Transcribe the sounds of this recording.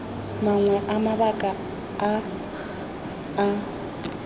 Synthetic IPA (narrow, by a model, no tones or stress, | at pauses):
maŋwɛʔamabakʼaː